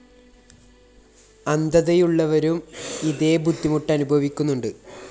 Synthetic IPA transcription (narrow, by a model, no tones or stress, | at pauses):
ɐnd̪ɐðɐjuɭːɐʋɐɾumiðe̞ːbʱud̪ːimuʈːɐnubʱɐʋikʲːunːuɳɖɨ